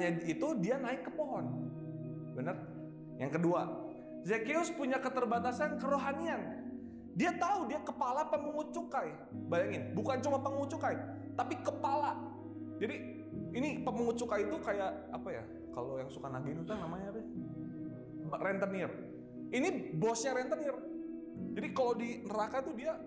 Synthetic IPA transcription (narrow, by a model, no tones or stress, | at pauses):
ɲait̪udianaɪkːəpɔɦɔn | bənər | jaŋkədua | zekeʊspuɲakət̪ərbat̪asankəɾoɦanian | diat̪audiakəpalapəməŋut͡ʃukaj | bajaŋɪnbukant͡ʃumapəŋut͡ʃukaj | t̪apikəpala | d͡ʒadiː | nipəməŋut̪̚t͡ʃukajit̪ukajaʔ | a̰paja̰ | ka̰lojaŋsukanaɡinunt̪aŋnamaɲabɛ | rɛnt̪ənir | inibɔsɲaɾɛnt̪ənɪr | d͡ʒadikalowdinəɾakat̪udia